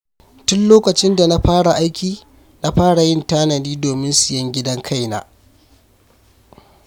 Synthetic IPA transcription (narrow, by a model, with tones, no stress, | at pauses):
tʊ˦nloː˦kɐ˨t͡ʃɪ˦nda˨na˦ɸaː˦ɽa˨ʔa˦jkʲiː˨ | na˦ɸaː˦ɽa˨jɪ˦ntaː˦nɐ˨niː˦doː˨mɪ˦nsɪ˨jɐ˦ŋɡʲɪ˦dɐ˦ŋkʰa˦˨jna̰ː˦